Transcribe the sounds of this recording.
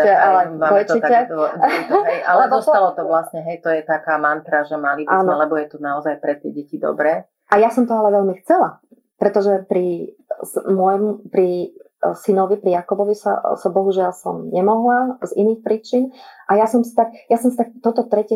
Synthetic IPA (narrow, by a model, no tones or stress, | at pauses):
alɛmaɔjtt͡ʃ̪iɛ | ɦɛjʔalɛdɔsalɔt̪ɔʋlasɲɛɦɛjt̪ɔjɛt̪akaːmant̪ɾaʒɛmalibaːnɔalɛbɔjɛt̪ɔnaɔzajpɾɛt̪ɪɛɟɛcid̪ɔ̰bɾɛː | ʔajasɔmt̪ɔalɛʋɛʎmixt͡sɛla | pɾɛt̪ɔʒɛpɾi | smʊɔjmupɾi | sinɔʋipɾijakɔbɔʋisa̰sabɔɦuʒɪalsɔ̰mɲɛmɔɦlaziniːxpɾiːt͡ʃinʔajasɔmsi̥t̪ak̚jasɔmsit̪ak̚t̪ɔt̪ɔt̪ɾɛcɛ